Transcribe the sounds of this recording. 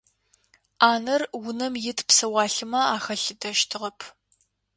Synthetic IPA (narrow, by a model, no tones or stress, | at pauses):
aːnɐrwʊnɐmjɪtʰpsɐwɑːɬɨmɐaːxɐɬɨdɐʃtʰɨʁɐpʰ